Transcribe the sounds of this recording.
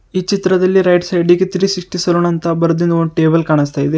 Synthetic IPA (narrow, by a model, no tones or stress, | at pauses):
iːt͡ʃit̪ɾɐd̪ɐlːiɾɐjɖsɐjɖiɡet̪ɾiːsiʂʈisɐloːnɐnt̪ɐbɐɾɐd̪inːuoɳɖʈeːbɐlkaːɳist̪aːjid̪e